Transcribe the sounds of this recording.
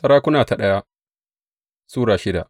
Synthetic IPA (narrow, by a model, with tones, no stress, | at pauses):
sɐ˦ɾaː˦kʷʊ˦naː˨ta˨ɗɐ˦ja˦ | suː˦ɽaː˨ʃɪ˦da˨ʔ